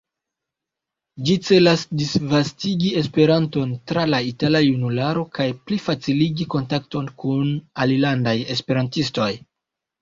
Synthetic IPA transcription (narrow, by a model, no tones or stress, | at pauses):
d͡ʒit͡se̞lasdisvastiɡie̞spe̞ɾanto̞ntɾalaitalajunulaɾo̞kajplifat͡siliɡiko̞ntak̚to̞nkunalilandaje̞spe̞ɾantisto̞j